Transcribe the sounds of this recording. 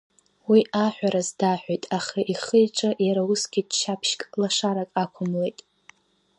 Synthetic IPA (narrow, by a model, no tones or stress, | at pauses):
wiʔaħʷᶣaɾazdaħʷᶣajtʼaχaʔiχəjʈ͡ʂʼɨjaɾausɡʲidʃapʰʃkʼlaʂaɾakʼakʷʰʊmlejtʼ